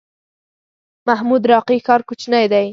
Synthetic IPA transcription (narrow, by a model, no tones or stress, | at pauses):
maɦmud̪ɾɑqixɑɾkʊt͡ʃnajd̪aj